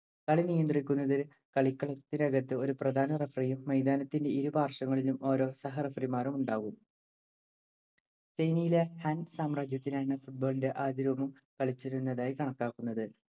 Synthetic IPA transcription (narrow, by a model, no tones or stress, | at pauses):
kɐɭinijɐnd̪rikʲːunːɐðil | kɐɭikːɐɭɐt̪ːinɐɡɐt̪ːɨo̞ɾuprɐd̪ʱaːnɐrɐfrijumːɐjd̪aːnɐt̪ːinde̞iɾubʱaːrʂɐŋːɐɭilumo̞ːɾo̞ːsɐɦɐrɐfrimaːɾumuɳɖaːɣum | t͡ɕejnijile̞hɐnsaːmraːd͡ʑjɐt̪ːinaːɳɨfuʈ̚bo̞ːlinde̞ʔaːd̪iɾʋɐmum | kɐɭit͡ɕːiɾunːɐðaːjikɐɳɐkːaːkːunːɐðɨ